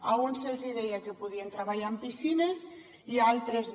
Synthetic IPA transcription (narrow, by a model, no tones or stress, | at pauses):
aunselziðejakepuðient̪ɾaβaʎampisinez | ialˠt̪ɾez